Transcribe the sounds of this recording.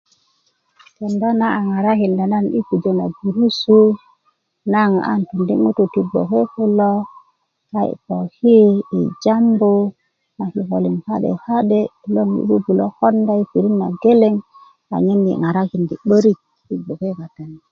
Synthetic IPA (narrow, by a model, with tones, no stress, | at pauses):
te˨nda˦na˦a˨ŋa˨ɾa˦ki˨nda˨na˦nḭ˦pi˨d͡ʒo˨na˨ɡu˨ɾu˦su˦ | na˦ŋa̰˦ntu˨ndi˦mu˦tu˨ti˨ɡ͡bo̰˨ke˦ku˦lo˦ | ka˦ḭ˨ko˨hi˦ḭ˨d͡ʒa˦mbo˦ | na˨ki˨ko˨li˨ŋka˦ɗḛ˨ha˦ɗe˦˨lo˦ŋḭ˦bu˦bu˨lo˦ko˦nda˦i˦pi˨ɾi˦nːa̰˨ɡe˦le˦ŋ | a̰˨ɲi˦nːḭ˨ŋa˨ɾa˦ki˨ndi˨ɓə˦ɾi˦k̚ː | i˨ɡ͡bo˨ke˦ka˨ta˨ni˨